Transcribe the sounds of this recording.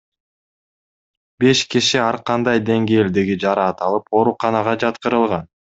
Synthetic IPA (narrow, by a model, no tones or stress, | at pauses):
be̞ʃkiʃiɑɾqɑnd̪ɑjd̪e̞ŋɡe̞ːld̪eɡid͡ʒɑɾɑːt̪ɑlˠɯpo̞ɾuqɑnɑʁɑd͡ʒɑt̪qɯɾɯlˠʁɑn